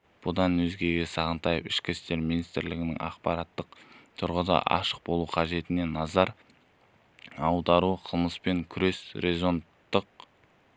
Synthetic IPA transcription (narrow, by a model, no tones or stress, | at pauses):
b̥ʊd̪ɑnwɵzɡʲe̞ɡʲe̞sɑʁənt̪ɑjəpɪʃkʲɪst̪e̞ɾminijst̪ɾlɪɡʲɪnɪ̰ŋɑ̰qpɑɾɑt̪ːəq̚t̪ʰʊɾʁəd̪ɑ̰ʔɑ̰ʃəq̚bo̞lˠuqʰɑʒe̞t̪ɪne̞nɑzɑɾ | ɑwd̪ɑɾuqʰəlˠməspe̞ŋkʲʰʏɾe̞sɾezo̞nt̪ːəq